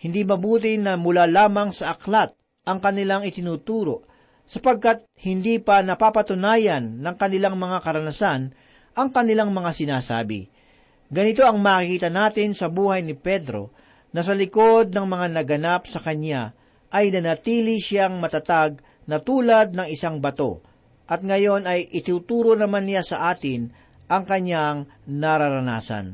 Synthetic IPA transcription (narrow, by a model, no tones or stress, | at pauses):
hɪnd̪imɐbuːt̪̬ɪnɐmʊlalaːmɐŋsɐʔɐklat̪̚ | ʔɐŋkɐnɪlaŋɪt̪ɪnuːt̪uːɾo̞ʔ | sɐpɐɡ̚kat̪̚hɪnd̪iːpɐnɐpapɐt̪ʊnaːjɐnːɐŋkɐnɪlaŋmɐŋakɐɾɐnɐsan | ʔɐŋkɐnɪlaŋmɐŋasɪnaːsa̰ːbɪ̰ | ɡɐnɪt̪o̞ʔɐŋmaːkikiːt̪ɐnaːt̪ɪnsɐbuːhɐjnɪpɛd̪ɾo̞̰ | nɐs̬ɐlɪko̞d̪̚nɐŋmɐŋanɐɡɐnapsɐkɐɲa | ʔɐjnɐnɐt̪iːlɪʃaŋmɐt̪ɐt̪aɡ̚ | nɐt̪uːlɐd̪̚nɐŋɪsaŋbɐt̪o̞̰ | ʔɐt̪̚ŋɐjo̞nɐjʔɪt̪uːt̪uːɾo̞nɐmanːɪjasɐʔaːt̪ɪn | ʔɐŋkɐɲjaŋ | nɐɾaɾɐna̰ːsɐ̰n